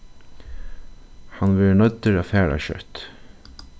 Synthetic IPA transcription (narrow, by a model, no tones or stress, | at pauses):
hɑnʋɛːɹnœt̪əɾaːfæːɹa̰ɕœ̰t̪